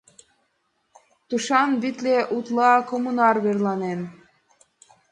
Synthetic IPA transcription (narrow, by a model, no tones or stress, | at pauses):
t̪uʃɑnβit̪leʔut̪lɑkomunɑrβerlɑnen